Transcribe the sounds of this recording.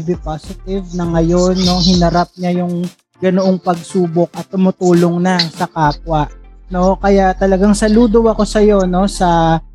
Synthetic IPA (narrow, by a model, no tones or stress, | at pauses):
bɪpasɪt̪ɪvnɐŋɐjo̞nːo̞ɦɪnɐɾap̚ɲajʊŋ | ɡɐnoʔo̞ŋpɐɡ̚suːbo̞k̚ʔɐt̪ːʊmʊt̪uːlo̞ŋnɐsɐkaːp̚wɐʔno̞kɐjaʔt̪ɐlɐɡaŋsɐluːd̪owɐko̞sɐjo̞no̞sɐ